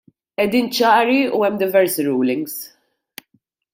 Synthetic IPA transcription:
ʔɛd̪iːnt͡ʃɐːɾiuɛmːd̪ɪvɛɾsiɾuːlɪŋɡs

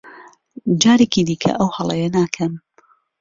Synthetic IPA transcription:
d͡ʒaːɾekid̪iːkʰɐ̰ʔɐwhɐlˠɐ̰jɐnaːkʰɐm

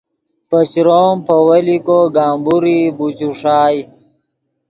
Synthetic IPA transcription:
pət͡ɕɾoːmpʰɐwɐlikoɡaːmbuɾibut͡ɕuʂaːj

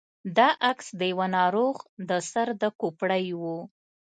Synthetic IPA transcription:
d̪ɑʔaksd̪əjawanɑɾoɣd̪əsaɾd̪əkopɽəjwu

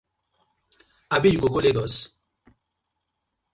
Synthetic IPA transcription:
abid͡ʒɡoɡoleɡɔs

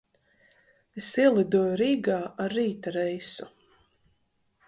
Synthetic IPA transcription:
esiɛlˠid̪uɔjuɾiːɡaːʔaɾːiːt̪aɾɛjsu̥

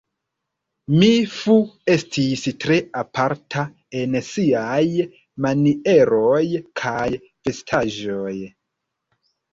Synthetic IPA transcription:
mifue̞stʰistɾe̞apʰaɾtʰa | e̞nsiaj | manie̞ɾo̞jkʰaj | fe̞stʰaʒoj

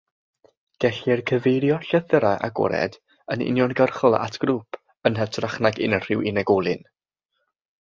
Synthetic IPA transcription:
ɡ̥ɛɬɪrkʰəvejɾjɔɬəθəɾajʔa̰ɡɔ̰ɾɛ̰d | ənɪ̰njɔnɡərχɔlˠa̰ʔatʰɡ̥ɾuːpʰ | ənɦɛtʰraχnaɡɪ̰nər̥ɪwɪnɛɡɔlˠɨn

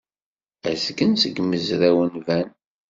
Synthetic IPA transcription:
æzɡənsəɡməzɾæwənvæn

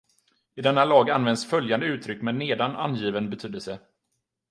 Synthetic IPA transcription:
ɪd̪ɛnːalɑːɡanvɛnd̪sfœljand̪əʉ̟ːt̪ʰɾʏkːmɛneːd̪ana̰njiːvənbɛt̪ʰyːd̪əlsə

